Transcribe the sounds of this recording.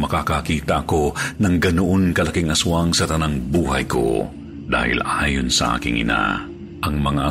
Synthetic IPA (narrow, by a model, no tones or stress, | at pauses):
mɐkakakiːt̪ɐʔɐko̞nɐŋɡɐnʊʔonkɐlɐkiŋʔɐsʊaŋsɐt̪ɐnaŋbuːɦɐjko̞̰ | d̪a̰ːhɪ̰lʔaːjonsɐʔa̰ːkɪŋʔɪ̰na̰ | ʔɐŋmɐŋaʔɐ